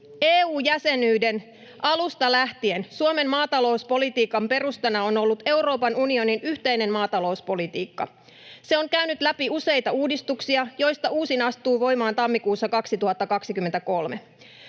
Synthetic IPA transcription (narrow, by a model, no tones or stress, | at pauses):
eːuːjæse̞nyːde̞n | ʔɑlust̪ɑlæht̪ie̞nsuome̞mmɑːt̪ɑlo̞wspo̞lit̪iːkɑmpe̞ɾust̪ɑnɑo̞no̞lːut̪e̞wɾo̞ːpɑnunio̞ninyçt̪e̞jne̞mmɑːt̪ɑlo̞uspo̞lit̪iːkːɑ̰ | se̞o̞ŋkæynyt̪læpiuse̞jt̪ɑuːdist̪uksiɑjo̞jst̪ɑuːsinɑst̪uːʋo̞jmɑːnt̪ɑmːikuːsːɑkɑksit̪uhɑt̪ːɑkɑksik̟yment̪æko̞lme